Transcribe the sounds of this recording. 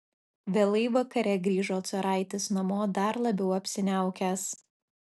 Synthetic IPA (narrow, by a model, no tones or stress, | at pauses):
ʋʲeːlˠɐɪʋɐkɐɾʲɛɡɾʲiːʒoːt̪sʊɾɑˑɪt̪ʲɪsnɐmoːd̪ɐɾlˠɐbʲɛʊɐpʲsʲɪnʲæˑʊkʲæs